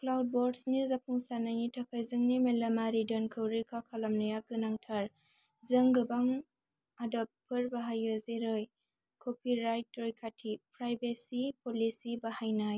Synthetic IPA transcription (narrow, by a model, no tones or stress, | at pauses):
klawd̚boɾdsnizapʰuŋsanajnitʰakʰajzɯŋnimelamaɾidɔnkʰɯwɾikʰakʰalamnɐjaɡɯnaŋtʰaɾ | zɯŋɡɯbaŋ | adap̚pʰɯɾbaɦajɯzeɾɯj | kʰopʰiɾajtːɾojkʰatʰipɾajbesipolisibahajnaj